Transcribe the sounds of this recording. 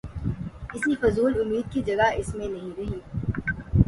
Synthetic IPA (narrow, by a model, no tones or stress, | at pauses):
ɪsifʊzuːlʊmːiːd̪̚kid͡ʒɐɡaɪsmẽnɐɦĩɾɐɦiː